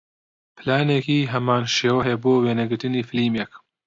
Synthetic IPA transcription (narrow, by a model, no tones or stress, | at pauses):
pʰɨlaːnekiːɦɐmaːnʃeːwɐɦeboːweːnɐɡɨɾt̪ɨniːfɨliːmek